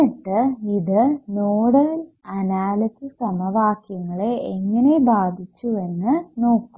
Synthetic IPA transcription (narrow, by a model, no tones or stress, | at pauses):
ɐʈːɨiðɨnoːɽɐɐl | ɐnaːlɐtisɐmɐʋaːkjɐŋːɐɭe̞ʔeŋːɐne̞baːd̪ʱit͡ɕːuʋe̞nːɨno̞ːkːu